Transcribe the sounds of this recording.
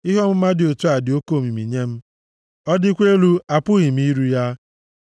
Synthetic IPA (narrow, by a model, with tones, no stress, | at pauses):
ɪ˦ɦɔ˦m̩˦ma˦dɪ˨o˨tu˦a˨dɪ˨o˦ko˦˨mi˨mi˨ɲe˦m̩˦ | ɔ˦dɪ˦kʷe˦lu˦a˨pʊ˦ɣɪ˨m̩˦i˦ɾu˦ja˦